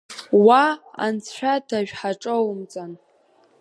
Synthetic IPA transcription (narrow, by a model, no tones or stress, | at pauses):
waa̰nt͡sʰħʷᶣadaʒᶣħaʈ͡ʂʼowmt͡sʼan